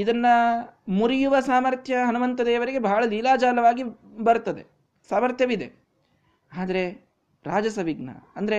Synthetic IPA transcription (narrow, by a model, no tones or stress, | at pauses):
id̪ɐnːɐmuɾijuʋɐsaːmɐɾt̪ʰjɐɦɐnumɐnt̪ɐd̪eːʋɐɾiɡe̞bɐːɭɐliːlaːd͡ʒaːlɐʋaːɡibɐɾt̪ːɐd̪e | saːmɐɾt̪ʰjɐʋid̪e | aːd̪ɐɾe̞ | ɾaːd͡ʒɐsɐʋiɡnɐ̰ɐnd̪ɐɾe